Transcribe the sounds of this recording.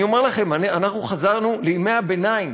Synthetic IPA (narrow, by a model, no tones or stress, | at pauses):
o̞meʁlaχe̞mananaχnuχazaʁnuleimejabenaim